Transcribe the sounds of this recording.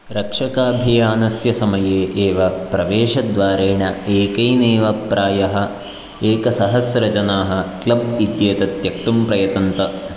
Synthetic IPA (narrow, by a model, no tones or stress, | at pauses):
ɾɐkʂɐkaːbʱijaːnɐsjɐsɐmɐjeːʔeːʋɐpɾɐʋeːʂɐd̪ʋaːɾeːɳɐeːkɐjneːʋɐpɾʔaːjɐɦɐ̆ | eːkɐsɐɦɐsɾɐt͡ʃɐnaːɦɐ̆klɐbit̪jeːt̪ɐt̪jɐk̚ʈ̪umpɾɐjɐt̪ɐnt̪ɐ